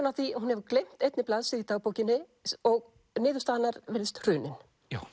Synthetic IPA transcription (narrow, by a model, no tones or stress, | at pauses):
naθiɔhɦunhɛvʏklejm̥t̪ejt̪nɪplaðsɪðit̪aːɣpoːwcɪnːɪ | ɔɣ | nɪːðʏst̪aːðnːaɾvɛɾðɪst̪r̥ʏːnɪn̥ | a